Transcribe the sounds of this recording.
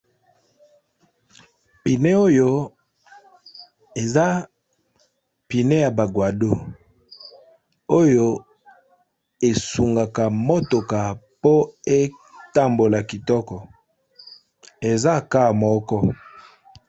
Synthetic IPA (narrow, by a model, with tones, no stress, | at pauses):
pi˨ne˦o˦jo˦ | e˨za˦ | pi˨ne˦ja˨ba˨ɡwa˨do˦ | o˦jo˦ | e˨su˨ŋɡa˨ka˨mo˦to˨ka˨po˦e˦ | ta˦mbo˨la˨ki˨tɔ˦kɔ˨ | e˨za˦ka˦˨mɔ˦kɔ˦